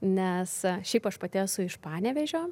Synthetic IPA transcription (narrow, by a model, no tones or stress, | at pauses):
nʲɛsʃʲɛɪpɐʃpɐt̪ʲɪɛsʊɪʃpɑːnʲɛʋʲɛʒʲoː